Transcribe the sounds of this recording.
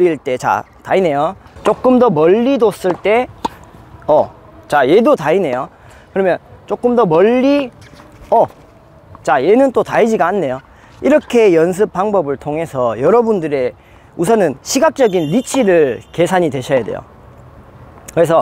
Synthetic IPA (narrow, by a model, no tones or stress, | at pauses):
ɾiɭt͈e̞t͡ɕa̰ | ta̰ine̞jot͡ɕ͈ok͈ɯmdʌmʌʎːidos͈ɯɭt͈e̞ | ʌ | t͡ɕaje̞dotaine̞jo | kɯɾʌmjʌnt͡ɕok͈ɯmdʌmʌʎːi | ʌ | t͡ɕaje̞nɯnt͈otaid͡ʑiɡanːe̞jo | iɾʌkʰe̞jʌns̬ʰɯp̚p͈aŋbʌbɯɭtʰoŋɦe̞sʰʌjʌɾʌbundɯɾe̞ | usʰʌnɯnɕʰiɡak̚t͡ɕ͈ʌɡinlit͡ɕʰiɾɯɭke̞sʰaɲidwe̞ɕʰʌjade̞̰jo̰ | kɯɾe̞s̬ʰʌ